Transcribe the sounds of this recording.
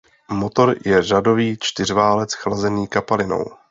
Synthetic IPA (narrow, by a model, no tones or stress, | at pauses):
mot̪o̞ɾjɛrado̞viːt͡ʃt̪ɪr̝vaːlɛt͡sxlazɛniːkapalɪno̞̰w